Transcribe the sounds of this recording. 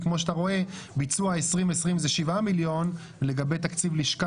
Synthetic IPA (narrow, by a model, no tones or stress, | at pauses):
kmo̞ʃat̪aʁo̞e̞ | bit͡suaesʁimesʁimzeʃivamiljo̞n | le̞ɡabe̞jt̪akt͡sivliʃka